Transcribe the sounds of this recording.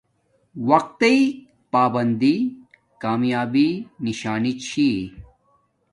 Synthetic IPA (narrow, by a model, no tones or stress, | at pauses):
wɐq̚t̪ɐi | paːbɐnd̪i | kaːmjaːbiniɕaːnit͡ɕʰi